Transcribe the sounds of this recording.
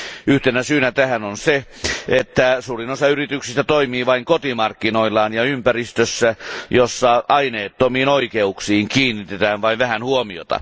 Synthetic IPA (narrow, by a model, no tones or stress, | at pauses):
yht̪enæsyːnæt̪æhænonse | et̪ːæsuːrinosɑyrit̪yksist̪æt̪oimiːʋɑiŋkot̪imɑrkːinoilːɑːnjɑympærist̪øsːæjosːɑɑineːt̪ːomiːnoikeuksiːŋkiːnːit̪et̪æːnʋɑiʋʋæhænhuomio̰t̪ɑ̰